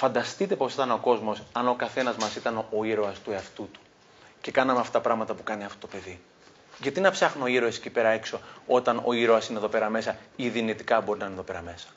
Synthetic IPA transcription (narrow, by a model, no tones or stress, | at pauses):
fɐnd̪ɐst̪it̪e̞po̞sit̪ɐno̞ko̞zmo̞sɐno̞kɐθe̞nɐzmɐsit̪ɐno̞iɾo̞ɐst̪ueɐft̪ut̪u̥ | ce̞kɐnɐmeɐfto̥ɐpɾɐɣmɐt̪ɐpukɐniɐft̪o̞t̪ope̞ði | ʝɐt̪inɐpsɐxnooiɾo̞se̥cʲipe̞ɾɐe̞kso̞o̞t̪ɐno̞iɾoɐsineðo̞pe̞ɾɐme̞sɐiðinit̪ikɐbo̞ɾinɐineðo̞pe̞ɾɐme̞sɐ̥